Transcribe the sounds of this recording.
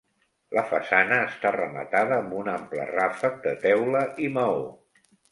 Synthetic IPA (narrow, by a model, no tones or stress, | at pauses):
ləfəsanəːst̪arəmə̰t̪aðəːmbunamplə̰rafək̚d̪ət̪ɛwləʔiməo̰